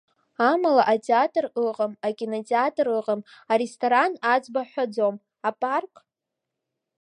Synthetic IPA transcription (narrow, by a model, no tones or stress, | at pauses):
amalaʔatʼeatʼrɨqəmakʲʼinotʼeatʼrɨqəmaɾestʰʼoɾanad͡zbaħʷad͡zom | apʼarkʼ